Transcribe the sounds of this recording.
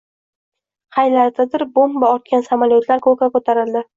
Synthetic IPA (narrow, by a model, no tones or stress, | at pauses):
qajlaɾt̪ʰad̪ɪɾbombaɒɾt̪̚kʲansamaljot̪ʰlaɾkʰɵkʲakɵt̪ʰaɾɪld̪ɪ